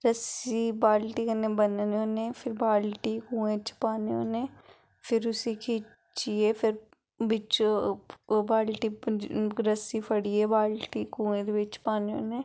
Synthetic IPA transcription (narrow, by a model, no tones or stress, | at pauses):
ɾəsibaːlʈiːkənẽːbənneoːnẽːpʰɪɾbaːlʈiːkũːẽt͡ʃpaːneo̰ːneː | pʰɪɾʊsikʰiː | t͡ʃieːpʰɪɾ | bɪt͡ʃ | baːlʈi | ɾəsipʰəɽiːeːbaːlʈiːkũːẽːd̪eʋɪt͡ʃpaːneo̰ːneː